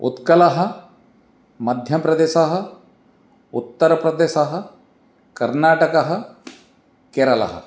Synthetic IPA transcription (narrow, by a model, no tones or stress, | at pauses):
ṵt̪kɐlɐɦɐ̆ | mɐd̪ʱjɐpɾɐd̪eːʃɐɦɐ̆ | ut̪ːɐɾɐpɾɐd̪eːʃɐɦɐ̆ | kɐɾnaːʈɐkɐɦɐ̆ | keːɾɐlɐ̰ɦɐ̰